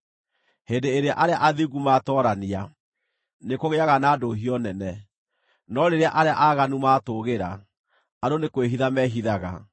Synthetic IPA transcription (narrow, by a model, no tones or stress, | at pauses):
hendeːɾeaʔaɾeaʔaðiɣumatɔːɾania | nekoɣeaɣanaːdoɦiɔnɛnɛ | nɔɾeɾeaʔaɾeaʔaɣanumaːtoɣeɾa̰ | adonekweɦiðamɛɦiðaɣa